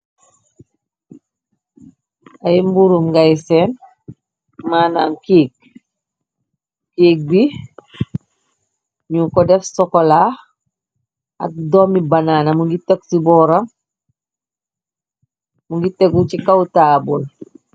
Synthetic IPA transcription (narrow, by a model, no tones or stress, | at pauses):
aimbuɾumɡajsen | maːna̰mkiːk̚ | kiːk̚bi | ɲuŋkɔdɛfsɔkɔlaː | a̰k̚domibanaːnamuŋɡiteksibɔːɾam | muŋɡiteɡucikawtaːbul